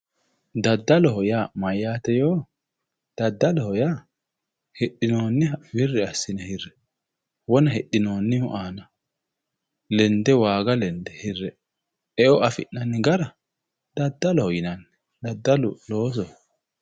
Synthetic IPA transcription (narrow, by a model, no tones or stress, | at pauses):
d̪ɐd̪ːɐlɔɦɔjaːmɐjaːt̪ɛjoː | d̪̥ɐd̪ːɐlɔhɔjaː | hɛɗːɪnoːnːɪbɪrːɪɐsːɪnɐhɪrːɛ̥ | wɔnɐhɛɗːɪno̞ːnːɪhʊʔaːnɐ | lɛnd̪ɛwaːɡɐlɛnd̪ɛhɪrːɛ | ɛʔɔʔɐfɪ̰ʔːɐnːɪɡɐɾɐ | d̪̥ɐd̪ːɐlɔhɔjɪnɐnːɛ̥ | d̪ɐd̪ːɐlʊlo̞ːs̬ɔ